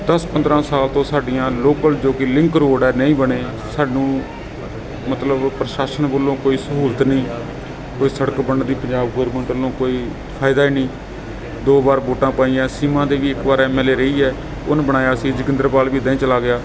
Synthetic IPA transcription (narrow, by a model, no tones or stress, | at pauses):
d̪əspə̃nd̪ɾãːsaːlt̪õːsaːɖɪjãːloːkəld͡ʒoːkɪlɪ̃ŋkɾoːɖɛːnəĩːbəɽeː | saːɖnũː | mət̪ləbpɾəʃaːʃənboːlõːkoːiːsəɦuːlt̪nĩː | koːiːsəɽəkbənd̪iːpəɲd͡ʒaːbɡoːɾmə̃ɳʈəlõːkoːiː | pʰaːɪd̪aːiːnĩː | d̪oːbaːɾboːʈãːpaːiːãːsiːmãːd̪eːʋiːɪkbaːɾɛːmɛːleːɾəiːɛː | ʊnbəɽ̃aːjaːəsĩːd͡ʒɪkɪ̃nd̪əɾpaːlbiːd̪əĩːt͡ʃəlaːɡɪjaː